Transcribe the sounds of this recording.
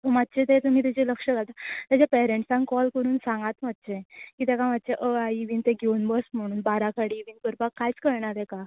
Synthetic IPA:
əmat̪ːt͡ɕet̪et̪um̤iːt̪ad͡ʑeləkʂəɡat̪at̪jat͡ɕapɛɾeɳʈsãŋkɔlkəɾuːnsãŋɡat̪mat̪̚ːt͡ɕekit̪ɛkamat̪̚ːt͡ɕeʔəaiʋiːnt̪ẽɡʱewunbəsm̤əɽ̃uːnbaɾakaɽiiʋinkəɾpakkːajt͡skəɾɳaɾeka

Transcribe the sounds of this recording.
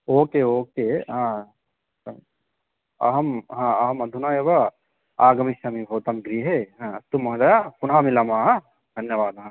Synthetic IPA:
oːkeːoːkeɦã | ɐ̰ɦɐmɦãːɐɦɐmɐd̪ʱunaeːʋɐ | aːɡɐmiʃɐmibʱoːt̪ɐmɡɾiːɦeɦãt̪umɐɦd̪ɐjaːpunɦaːmilɐmaːɦɐ | d̪ʱɐnjɐʋaːd̪ɦã

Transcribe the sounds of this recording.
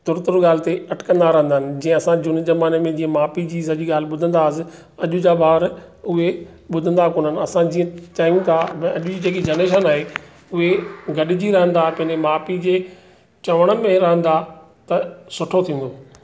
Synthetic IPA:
t̪ʊɾt̪ʊɾɡaːl̤ɪt̪eɐʈɪ̥kə̃nd̪aɾɐɦə̃nd̪aɦɪnɪ̆d͡ʑĩːə̃ɐsãd͡ʑʊnɪzɐmaːnemẽd͡ʑĩːə̃maːpid͡ʑiːsɐʄiɡaːl̤ɪɓʊd̪ʱə̃nd̪asɪ̆ | ɐʄʊd͡ʑabaːʋəɾʊɦe | ɓʊd̪ʱə̃nd̪akoːnənɪ̆ɐsãd͡ʑĩːə̃t͡ɕaːjũt̪ʰãɐʄʊd͡ʑiːd͡ʑeːkid͡ʑɐneːʃ̬ənaːɦe | ʊɦeɡɐɗɪd͡ʑiɾɐɦə̃nd̪apɐ̃ɦɪ̃ɲd͡ʑemaːpid͡ʑeː | t͡ɕɐʋəɽ̃ə̆mẽɾɐɦə̃nd̪a | t̪ɐsʊʈʰot̪ʰĩːnd̪oː

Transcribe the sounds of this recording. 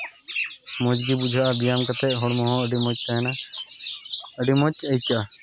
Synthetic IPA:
mɔd͡ʒɡibud͡ʒʱaʔabijamkat̪ɛʔɦɔɽmɔɦɔ̃əɖimɔt͡ʃaɦɛna | əɖimɔt͡ʃəjka

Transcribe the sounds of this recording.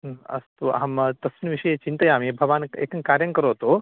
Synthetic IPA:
ɐ̰st̪uʔɐ̰ɦɐmt̪ɐsinɐʋiʃɐjɐt͡ʃint̪ɐjaːmibʱɐʋaːnḛːkɐnkaːɾjɐŋkɐɾoːt̪oː

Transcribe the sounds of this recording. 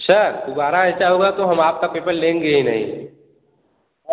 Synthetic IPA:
ʃəɾd̪obaːɾaet͡ʃaoɡat̪oɦɐmaːp̚kapeːpəɾlẽːŋɡeinɐ̰ɦḭ̃ː

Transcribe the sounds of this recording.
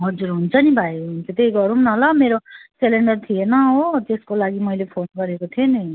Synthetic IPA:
ɦʌd͡zuɾɦunt͡sʰʌnibʱajɦunt͡sʰut̪ejɡʌɾumnʌɦlʌmeɾoseleɳɖʌrt̪ʰijenʌot̪eskolaɡimʌjlepʰonɡʌɾekot̪ʰioni

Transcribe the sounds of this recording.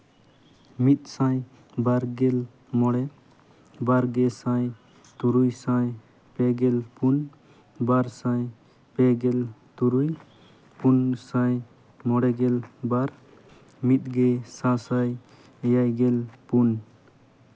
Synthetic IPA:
mit̪̚sãj | baɾɡɛl | mɔɽɛ | baɾɡɛsaj | t̪uɾujsaj | pɛɡɛlpun | baɾsãj | pɛɡɛlt̪uɾuj | punsaj | mɔɽɛɡɛlbaɾ | mit̪̚ɡɛsãsaj | ɛjajɡɛlpun

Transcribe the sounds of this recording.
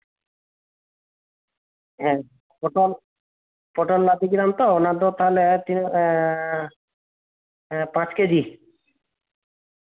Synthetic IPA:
ɦɛ̃ | poʈol | poʈollad̪iɡiɾamt̪oonad̪ot̪aɦolet̪in | pãt͡ɕked̪i

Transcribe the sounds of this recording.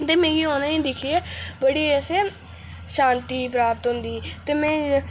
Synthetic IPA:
t̪eːmɛ̃ːɡiːɦoːnaĩːd̪ɪkʰiebəɽiːəsẽː | ʃãːnt̪iːp̬ɾaːpət̪ɦʊ̃nd̪iːt̪eːmɛ̃ː

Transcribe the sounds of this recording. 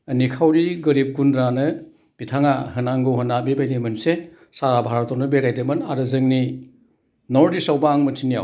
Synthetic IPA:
nikʰawɾiɡɐɾip̚kundɾanɯ | b̥itʰaŋahɯnaŋɡɯwɦɯnabibajdimɯnse | saɾabʱaɾɔtɔnɯbeɾajdɯmɯnaɾɯzɯŋni | nɔɾdisawbaːŋmɯtʰinija̰w

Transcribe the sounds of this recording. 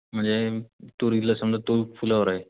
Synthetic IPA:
m̤əɳd͡zet̪oɾit̪lasəmd͡z̪ət̪ofulaʋəɾaɦe

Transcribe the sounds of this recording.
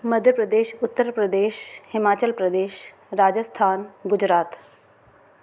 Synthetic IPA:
məd̪ʱjəpɾəd̪eːʃʊt̪ːəɾpɾəd̪eːʃhɪmaːt͡ʃəlpɾəd̪eːʃ | ɾaːd͡ʒəst̪ʰaːnɡʊd͡ʑɾaːt̪

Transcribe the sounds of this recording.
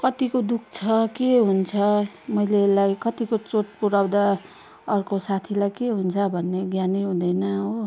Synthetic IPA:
kʌt̪ikod̪ukʰt͡sʰʌkeɦunt͡sʰʌ | mʌjlelajkʌt̪ikot͡sot͡s̚puɾawd̪a | ʌrkosat̪ʰilajkeɦunt͡sʰʌbʱʌnːeɡjaniɦũd̪ʌjnʌɦo

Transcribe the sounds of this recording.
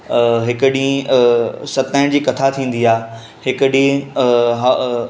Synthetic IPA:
ɦɪkʊɗĩː | sɐt̪aːɪ̃d͡ʑiːkɐt̪ʰat̪ʰĩːn̆d̪iaː | hɪkəɗĩːɦ

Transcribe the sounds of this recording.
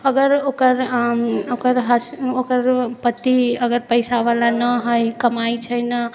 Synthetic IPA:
əɡəɾokəɾ | okəɾɦəsokəɾpət̪iəɡəɾpəɪsaβalanəɦəjkəmajt͡ʃʰəjnə

